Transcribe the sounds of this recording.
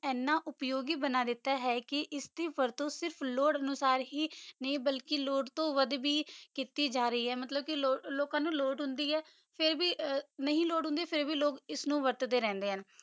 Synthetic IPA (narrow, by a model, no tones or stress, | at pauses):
ɛːnːãːʔʊpjoːɡiːbənaːd̪ɪt̪ːaːɦɛːkɪʔɪst̪iːʋəɾt̪õːsɪɾpʰloːɽənʊsaːɾɦiːnəĩːbəlkɪloːɖt̪õːʋəd̪biːkiːt̪iːd͡ʒaːɾəiːɦɛːmət̪ləb̚kɪloːloːkãːnũːloːɖɦʊnd̪iːɦɛː | pʰɪɾbiːnəɦĩːloːɖɦʊ̃nd̪iːpʰɪɾbiːloːkɪsnũːʋəɾt̪d̪eːɾɛ̃ːnd̪eːɦən